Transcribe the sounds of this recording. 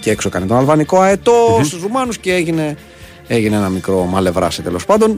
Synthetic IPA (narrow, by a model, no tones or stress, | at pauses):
ceeksoekɐnet̪onɐlvɐnikoɐet̪o̞st̪uzɾumɐnusceeʝine | eʝineenɐmikɾo̞mɐle̞vɾɐ̰set̪e̞lo̞spɐnd̪o̞n